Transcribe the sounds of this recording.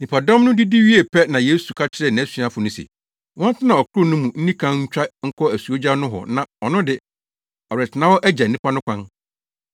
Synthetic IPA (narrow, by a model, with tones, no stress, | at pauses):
nĩ˨pʰa˨dɔ̃˦mnʊ̃˦dɪ˦di˦ɥi˦e˨pʰɛ˦nã˨je˦su˨kʰa˦t͡ɕʰɪ˦ɾɛ˦˨nã˨æ˦sɥa˦fʊ˨nʊ̃˦sḛ˨ | wɔ̃˦tʰɪ˦nã˨ɔ˨kʰʊ˦ɾʊ˦˨nʊ̃˦mũ˨n̩˦nĩ˦kʰã˦ɲ̩˦t͡ɕᶣa˦ŋ̩˦kʰɔ˦æ˨su˨o˦d͡ʑa˦nʊ̃˦ɦɔ̰˨nã˨ɔ˨nʊ̃˦dɪ˨ | ɔ˨ɾɛ˨tʰɪ˨nã˦wɔ˦ʔæ˦d͡ʑa˨nĩ˦pʰa˦nʊ̃˦kʰʷã˦n